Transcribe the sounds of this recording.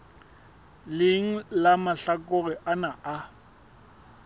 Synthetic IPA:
lɪŋ̩lamaɬakʼʊɣɪʔanaʔa

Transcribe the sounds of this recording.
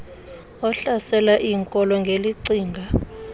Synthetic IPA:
ɔɬasɛlaʔiːŋkʼɔlɔŋɡʱeliǀiːŋɡʱa

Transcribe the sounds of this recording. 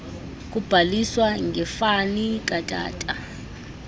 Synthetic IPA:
k̬ʼub̥ʱaliswaŋɛfanik̬ʼatʼa̰ːtʼa

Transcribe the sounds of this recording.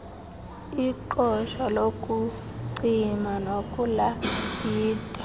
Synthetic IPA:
iǃɔʃalokʼu | ǀimanokʼulajiːtʼa

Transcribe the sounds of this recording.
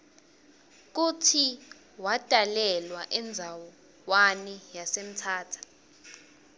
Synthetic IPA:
k̬utʰi | wad̥ʱalɛlwaʔɛnd͡zʱawɔ | wanijasem̩tʰaːtʰḁ

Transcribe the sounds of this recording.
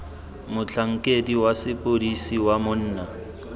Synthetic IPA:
mʊt͡ɬʰaŋ̩kʼediwasɪpʼodisiwamʊn̩ːna

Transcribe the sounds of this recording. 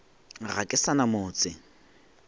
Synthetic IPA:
ra̰kʼɪsanamʊːt͡sɪ

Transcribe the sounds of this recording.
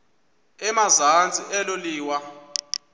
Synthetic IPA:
ɛmazant͡sʼiʔɛloliːwa

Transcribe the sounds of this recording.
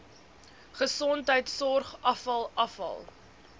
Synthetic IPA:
χəsɔntɦəjtsɔrχɐfɐlˠɐfɐ̰lˠ

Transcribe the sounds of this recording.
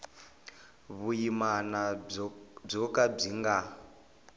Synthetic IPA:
βujimana | b͡ʐɔkab͡ʐiŋɡa

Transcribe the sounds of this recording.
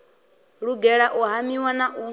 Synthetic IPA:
ɺuɡɛɺaʔɔɦamiwanaʔu

